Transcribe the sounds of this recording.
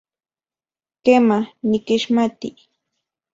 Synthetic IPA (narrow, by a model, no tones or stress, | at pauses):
kemanɪkɪʃmat̪i